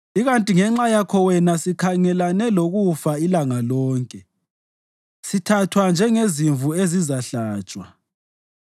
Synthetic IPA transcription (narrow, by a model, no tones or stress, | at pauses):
iɣantʼiŋɛŋ͡ǁajakʰɔwɛnasikʰaŋɛlanɛloɣufailaŋalɔːŋkʼɛ | sitʰatʰwand͡ʒʱɛŋeziɱvuezizaɬaːt͡ʃʼwa